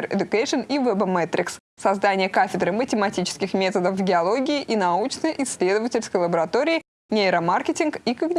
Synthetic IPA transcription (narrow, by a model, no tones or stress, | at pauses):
rɪ̰d̪ʊkajʂɨnivɛbmɛt̪ɾʲɪ̰ks | sɐzd̪anʲɪjəkafʲɪd̪ɾɨmətʲɪmɐtʲit͡ɕɪ̥skʲɪxmʲe̞t̪əd̪əfvɡʲɪɐlˠo̞ɡʲɪɪʔinɐut͡ɕnəjʔɪsʲːlʲed̪əvətʲɪlʲskəjlˠəbəɾɐt̪o̞ɾʲɪɪ | nʲeɪɾəmarkʲɪtʲɪnkikəɡnʲ